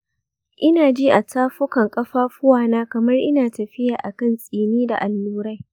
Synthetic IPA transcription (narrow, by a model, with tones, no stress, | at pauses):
ʔɪ˦naː˨d͡ʒiː˦ʔa˨tʰaː˦ɸʊ˦kɐ˨ŋkʼɐ˦ɸaː˦ɸʊ˦waː˦˨naː˦kɐ˨mɐ˦rʔɪ˦naː˨tɐ˨ɸɪ˦jaː˨ʔa˨kɐ˦nsʼiː˨niː˦da̰˨ʔa˨lːuː˦ɾa˦j